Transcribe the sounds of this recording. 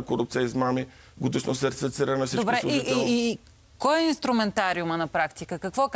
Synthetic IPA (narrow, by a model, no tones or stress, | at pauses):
koɾup̚t̪sijəizmami | ɡod̪iʃnosəɾt̪isfit̪siɾənɐfsit͡ʃd̪obɾɛkiɛiː | kɔjɛinst̪ɾʊmɛnt̪aɾiumənɐpɾakt̪ikəkɐkvɔk